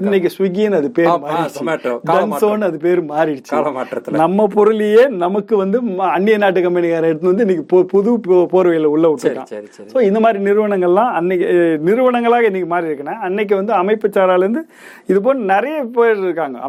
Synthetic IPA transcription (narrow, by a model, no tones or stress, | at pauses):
ɪnːɛk̬ːɯsʋɪŋɡijɐnɐðɯpeːɾmaːɾɪsːɯɖɐnːsoːnːɐðɯp̬eːɾmaːɾɪt͡ʃːɐmaːɐnɐmːɐpɔɾɯlɪjeːnɐmɐkːɯʋɐnd̪ɯɐɳːɪjɐnaːʈ̬ːɯkɐmpɐniɣaːɾɐɛɽɯt̪ɯnɐnɯɪnːɛkːɯppʊðupoːɾɯʋɐjɪlɐʊɭːɐʊʈːɯːã̰ː | soːɪnd̪ɐmaːd̪ɾinɪɾɯʋɐɳɐŋɡɐɭlãːɐnːɛkːnɪɾɯʋɐɳɐŋɡɐɭaːɣɐɪnːɛkːɯmaːd̪ɾiɪɾɯkːɐnːɐɐnːɛk̬ːɯʋɐnd̪ɯɐmɐɪpːɐt͡ʃːaːɾaːlɐɾɯnd̪ɯ | ɪðɯp̬oːnnɛɾɐjɐpeːɾɪɾɯkːaːŋɡɐ̰